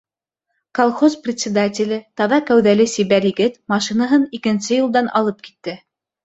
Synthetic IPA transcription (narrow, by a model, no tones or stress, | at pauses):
kolˠχosprʲɪt̪ʲsʲɪd̪atʲɪlʲɘt̪ɑðɑkæwðælɘsiβæɾjɘ̆ɡɘt̪mɑʃinaɦɤnikɘ̆nsɘjŭlˠd̪ɑnɑ̰lˠɤp̚ki̥t̪ːɘ